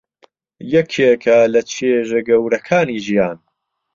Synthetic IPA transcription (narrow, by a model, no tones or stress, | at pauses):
jɛkʰekʰɐlɐt͡ʃʰeːʒɐɡɐwɾɐkʰaːniːʒijaːn